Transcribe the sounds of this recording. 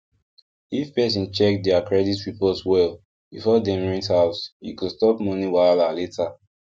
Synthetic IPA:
ifpɛs̬ĩnt͡ʃɛk̚dɛakɹɛditɹipɔtswɛl | bifɔdɛ̃mɹĩnthaʊsjṵkustɔpmɔ̃niwaɪlaletʰa

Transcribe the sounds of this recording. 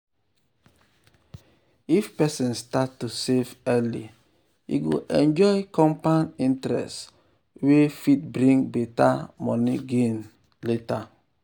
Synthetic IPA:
ifpɛsĩnstatːusevɛli | ḭɡo̰ʔɛ̃nd͡ʒɔjkɔ̃mpanĩntɾɛ̰st | wefitbɾĩŋbeta̰mɔniɡen | leta

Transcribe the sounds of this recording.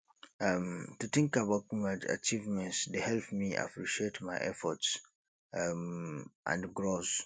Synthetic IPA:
amtut̪ɪ̃ŋkabaʊt̚mad͡ʒa̰k̚t͡ʃivmɛ̃nsdehɛlpmia̰pɹiʃietmaɪʔɛ̰fɔts | mʔã̰ndɡɹos

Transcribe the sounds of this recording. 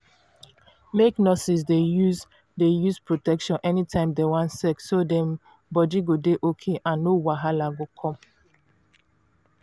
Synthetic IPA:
meknɔsis̬dejuz | dejuspɹotɛkʃɔ̃nʔɛnitʰãɪ̃mdewãnsɛksodɛ̃m | bɔd͡ʒiɡodeʔokʰeʔãnːowaɦalaɡokʰɔ̃m

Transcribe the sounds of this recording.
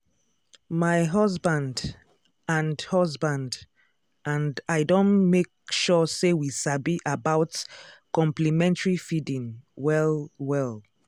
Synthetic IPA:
maɪɦɔzbãnd | ãndhɔzbãnd | ʔãndaɪdõnmekʃɔsewisabiʔabaʊtkɔ̃mplimɛ̃ntəɹifidĩŋwɛlwɛlˠ

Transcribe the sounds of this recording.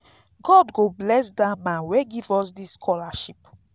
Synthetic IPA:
ɡ̥ɔdɡoblɛsdamãnweɡivɔs̬disːkʰɔlaʃip

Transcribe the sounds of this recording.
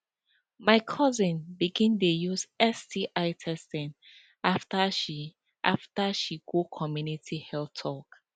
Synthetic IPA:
maɪkʰɔzĩnbiɡĩndejuzɛstiʔaɪtʰɛstɛ̃n | aftaʃi | ʔa̰ftaʃiɡokʰɔmjunitʰihɛltʰɔk

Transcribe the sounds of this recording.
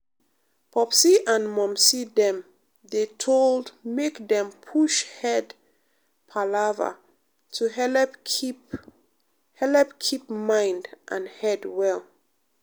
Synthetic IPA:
pʰɔpsiʔãnmɔ̃msidɛ̃m | ðetʰolˠdmekdɛ̃mpʰuʃhɛd | pʰalava̰ | tʰuɦɛ | p | hɛlɛpkʰip̚mãɪ̃ndʔãnhɛdwɛl

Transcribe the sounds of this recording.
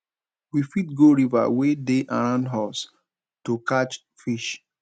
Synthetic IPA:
wifitɡoɹiva̰wedeʔa̰ɹãʊ̃ndɦas | tokat͡ʃ | fiʃ

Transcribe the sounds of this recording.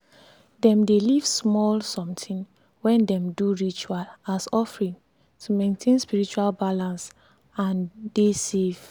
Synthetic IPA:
dɛ̃mdelivsmɔlsɔ̃mtʰĩn | wɛ̃ndɛ̃mduɹit͡ʃualasɔfɹĩn | tʰumẽntʰẽnspiɹit͡ʃualbalãns | ãndesev̥

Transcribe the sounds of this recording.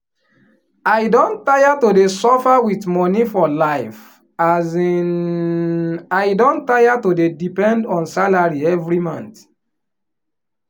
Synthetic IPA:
aɪdõntajatodesɔfawitmɔnifɔlaɪf | azi | ajdõntːajatodedipɛ̃ndɔ̃nsalaɹiɛvɹimɔ̃nt

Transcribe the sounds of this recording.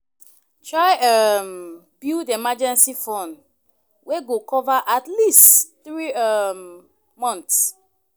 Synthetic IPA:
tʰɹaɪam | b̥uldemad͡ʒɛ̃nsifɔ̃n | weɡokɔvaʔatlistθɹiam | mɔ̃nts

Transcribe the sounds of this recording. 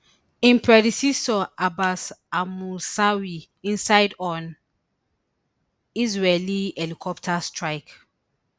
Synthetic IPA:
ĩnpʰɹɛdisisɔʔabasamulsawi | ĩnsajdɔ̃n | izɹɛliɛlikʰɔptʰastʰɹajk

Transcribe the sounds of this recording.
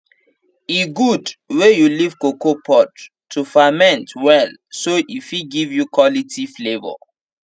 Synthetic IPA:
iɡudwejuliv̥kokopʰɔtʰː | ufamɛ̃ntwɛlsoʔifiɡivjukwɔlitʰiflevɔ̰

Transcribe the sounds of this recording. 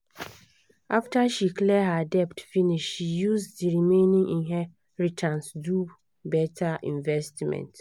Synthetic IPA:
ʔaftʰaʃikʰlɛhadɛptfinĩʃʃʃijusdiɾimẽnĩŋĩɦɛ | ɹitʰãnsdu | bɛtʰaʔĩɱvɛstmɛ̰̃nt

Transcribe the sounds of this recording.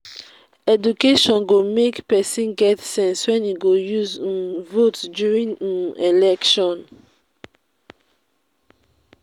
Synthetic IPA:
ɛdukeʃɔ̃nɡomekpɛsĩnɡɛtsɛ̃nswɛ̃niɡojuz̃votdjuɹĩŋ̃nelɛkʃɔ̃n

